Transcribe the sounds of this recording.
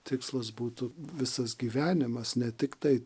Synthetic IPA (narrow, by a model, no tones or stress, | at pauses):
t̪ʲɪkslˠɐs̬buːt̪ʊʋʲɪsɐsɡʲiːʋʲæːnʲɪmɐsnʲɛt̪ʲɪkt̪ɐɪ